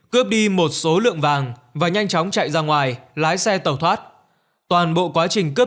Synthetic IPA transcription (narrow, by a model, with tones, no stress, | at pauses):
kɨ˦˥əp̚ɗi˧mo˨˩t̚so˨˦lɨ̰˧˨əŋvaː˨˩ŋvaː˨˩ɲa˧jŋ̟t͡ɕɔ˨˦wŋ͡mt͡ɕa̰ː˧˨jzaː˧ŋwaː˨˩jlaː˨˦jsɛ˧t̪ə˨˧˩wt̪ʰwaː˦˥t̚ | t̪waː˨˩nɓo̰˧˨kwaː˨˦t͡ɕï˨˩ŋ̟kɨ˦˥